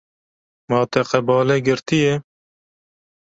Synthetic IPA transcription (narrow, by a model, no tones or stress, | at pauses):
mɑːt̪ɛqɛbɑːlɛɡɪɾt̪ije